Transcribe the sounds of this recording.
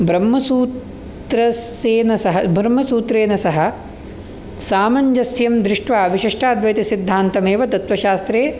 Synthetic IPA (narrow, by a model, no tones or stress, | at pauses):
bɾɐmːɐsuːt̪ | ɾɐs | eːnɐsɐɦɐbɾɐmːɐsuːt̪ɾeːnɐsɐɦɐ̆ | saːmɐɲd͡ʒɐsjɐmd̪ɾɪʂʈʋaːʋiʃiʂʈʰaːd̪ʱʋɐjt̪isid̪ʱːaːnt̪ɐmeːʋɐt̪ɐt̪ʋɐʃaːst̪ɾeː